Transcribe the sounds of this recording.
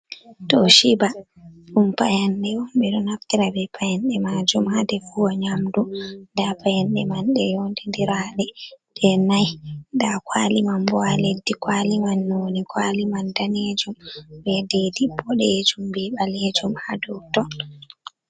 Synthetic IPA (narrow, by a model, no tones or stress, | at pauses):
tɔʃiba | ɗumpa̰janɗɛwɔmɓɛɗɔnaftiɾabɛpajɛnɗɛmad͡ʒumhadɛfuwaɲamdundapajanɗɛmanɗɛjondindiɾaɗɛɗ̥ɛnajndakwalimambɔaledːikwalimanːonikwalimandaned͡ʒumbɛdidibɔɗɛd͡ʒumbɛɓaled͡ʒumhadɔtɔ